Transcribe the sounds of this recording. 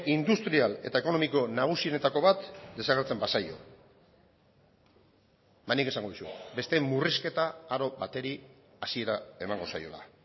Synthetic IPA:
ind̪ust̪ɾiale̞̰t̪ae̞ko̞no̞miko̞naɣ̞usio̞ne̞t̪ako̞βat̪d̪e̞saɣeɾt͡se̞mbasajo̞̰ | bajnike̞saŋɡo̞ðisube̞st̪e̞muriske̞t̪aːɾo̞βat̪e̞ɾi | asie̞ɾae̞maŋɡo̞sajo̞̰la̰

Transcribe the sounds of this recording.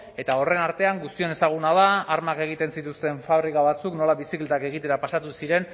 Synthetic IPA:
e̞t̪ao̞re̞naɾt̪e̞aŋɡust̪io̞ne̞saɣ̞unaðaːɾmake̞ɣ̞it̪e̞nsit̪ust̪e̞ɱfaβɾikaβat͡sukno̞laβisiklet̪ake̞ɣ̞it̪e̞ɾapasat̪usiɾe̞n

